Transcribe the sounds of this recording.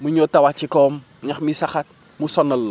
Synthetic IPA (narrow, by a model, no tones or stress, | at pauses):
muɲotawat͡ʃikɔm | ɲaxmisaxat̚ | musɔnəlːɔ